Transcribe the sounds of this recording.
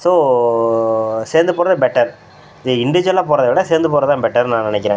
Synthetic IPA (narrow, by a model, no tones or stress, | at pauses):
soː | seːɾnd̪ɯpoːɾɐðɯbɛʈːɐɾ | ɪðɯɪɳɖɪʋɪd͡ʒɐlaːpoːɾɐðɐʋɪɽɐseːɾnd̪ɯpoːɾɐðt̪ãːbɛʈːɐɾnãːnɪnɛkːɪɾẽː